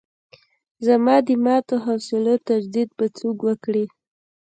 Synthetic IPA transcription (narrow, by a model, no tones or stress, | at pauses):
zamɑd̪ɪmɑt̪oɦawsɪlot̪ad͡ʒd̪id̪̚pət͡suɡwəkɽi